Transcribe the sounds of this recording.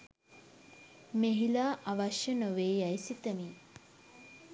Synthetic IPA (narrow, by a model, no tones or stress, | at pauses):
meɦilaːʔaʋaʃjənoʋeːjajsit̪əmi